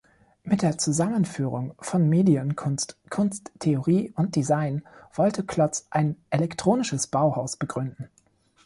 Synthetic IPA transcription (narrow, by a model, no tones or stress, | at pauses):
mɪt̚d̥eːɐt͡suzamənfyːʁʊŋfɔnmeːdiənkʰʊnstkʰʊnstʰːeoʁiːʊnt̚d̥izaɪnv̥ɔltʰəkʰl̥ɔt͡sʔaɪnʔelɛktʁ̥oːnɪʃəsb̥aʊhaʊsb̥əɡʁʏndn̩